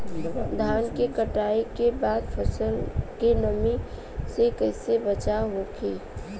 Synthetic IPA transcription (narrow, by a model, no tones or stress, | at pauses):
d̪ʱaːnkekəʈaːikebaːd̪pʰəsəlkenəmi | sekəɪsebət͡ʃaɦokiː